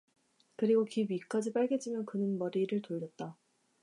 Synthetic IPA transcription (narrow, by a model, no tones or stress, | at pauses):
kɯɾiɡokibik͈ad͡ʑip͈aɭɡe̞t͡ɕ͈imjʌnkɯnɯnmʌɾiɾɯɭtoʎːʌt̚t͈a